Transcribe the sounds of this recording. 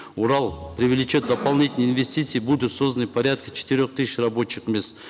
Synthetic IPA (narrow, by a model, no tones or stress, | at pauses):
uɾɑlˠpɾʲɪvʲɪlʲɪt͡ʃo̞t̪̚d̪ɐpɐlˠnʲit̪ʲɪlʲnəinvʲesʲtʲit̪sɨjibud̪ʊt̪so̞zd̪ənəjpɐɾʲat̪̚kə̥t͡ʃʰɪ̥t̪ɪɾʲoχt̪ɨsʲɪʃrɐbo̞t͡ɕːɪkmʲest̪